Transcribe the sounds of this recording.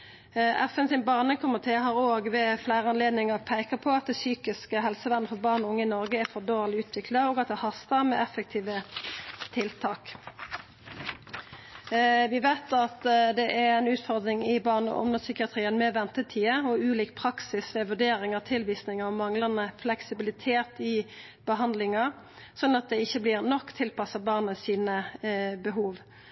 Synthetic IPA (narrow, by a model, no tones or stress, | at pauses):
ʔɛfənsɪnbɑʁnəkʰʊmɪt̪ʰeːɦɑːʁoːɡʋɛflæɪʁəɑnleːd̪nɪŋəʁpʰæɪkəpʰɔɑt̪̚d̪ɛsyːkɪskəɦɛlsəʋænːəfɔʁbɑːʁnʊŋːəɪnɔʁɡəɛfɔd̪oːʁlɪʉːt̪ʰʋɪkʰlɑoːɡɑt̪̚d̪ɛhɑst̪əʁmɛɛfək̚t̪ʰiːʋə | t̪ʰɪlt̪ʰɑːk | ʋɪʋæɪt̪ɑt̪d̪ɛʔɛæɪnʉːt̪fɔʁd̪ɾɪŋɪbɑːʁnə̰ʔɔ̰mnəsʏkɪɑt̪ʁiːənmɛʋɛnt̪ət̪ʰiːəɔʉːliːk̚pʰʁɑksɪsʋɛʋʉɖ̪eːɾɪŋəʁt̪ʰɪlʋiːsnɪŋəɔmɑŋlɑnəflɛksɪbɪlɪt̪ʰeːt̪ɪ | b̥əɦɑnd̪lɪŋɑ | sɔnːɑt̪̚d̪ɛɪçːəblɪːʁnɔkːt̪ʰɪlpɑsəbɑːʁnəsiːnəbəɦuːʋ